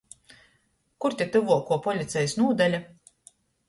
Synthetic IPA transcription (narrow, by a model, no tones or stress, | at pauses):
kuɾt̪ʲit̪ɨvuɔkuɔpɔlʲit̪sʲɛjsnuɔd̪alʲa